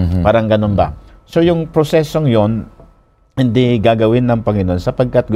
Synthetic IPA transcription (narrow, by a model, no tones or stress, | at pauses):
paːɾɐŋɡɐnonba̰so̞jʊŋpɾosɛso̞ŋjo̞n | hɪnd̪iɡaɡɐwɪnːɐŋpɐŋɪnoʔonsɐpɐɡ̚kat̪̚ɡʊ